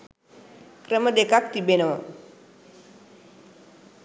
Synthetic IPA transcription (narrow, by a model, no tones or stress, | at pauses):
kɾemədekak̚t̪ibenow